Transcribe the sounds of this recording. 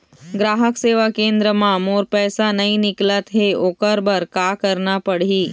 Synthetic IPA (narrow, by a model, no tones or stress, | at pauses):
ɡɾaːɦəkseːʋakẽːnd̪ɾəmãmoːɾpɛːsanɐɦĩnɪklət̪ɦeoːkəɾbəɾkakəɾnapɐɽiː